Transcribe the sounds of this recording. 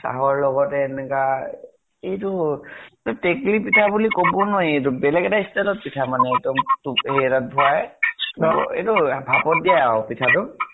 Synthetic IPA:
sa̰ɦɔɹlɔɡɔtɛːnɛka | etu | tateklipitʰabulikobɔnɔet̬ʊbɛlɛɡɛtaistɛlɔt̚pitʰamanɛːk̚dɔmtuɦetat̚bʱʊajɔḛtʊbʱapɔt̚dijaaɔpitʰatʊ

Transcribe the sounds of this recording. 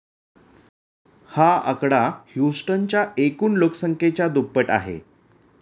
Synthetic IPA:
haə̰kɽahjusʈənt͡ɕjaʔekuːnlokəsəŋket͡ɕjad̪upːəʈa̰ɦḛ

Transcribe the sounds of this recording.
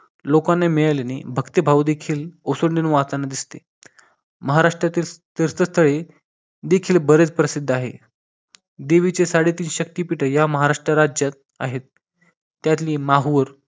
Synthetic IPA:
lokanːemiɭalanḛbʱəkt̪ibʱawd̪ekʰiːlosəɳɖ̪enuʋat̪anːad̪ist̪e | məɦaɾaʂʈɾat̪iːlt̪eɾt͡s̪əst̪ʰəɭe | d̪ekʰiːlbəɾet͡spɾəsid̪ʱːaɦḛ | d̪eʋit͡sesaɽet̪iːnɕək̚t̪iːpiʈʰəjaməɦaɾaʂʈɾəɾad͡ʑjat̪̚ | a̰ɦet̪ː | jat̪liːmaɦuʋəɾ

